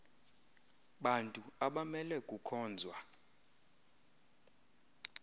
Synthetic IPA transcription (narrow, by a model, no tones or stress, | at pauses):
ɓantʼuaɓamɛlɛkʼukʰɔːnd͡zʱwa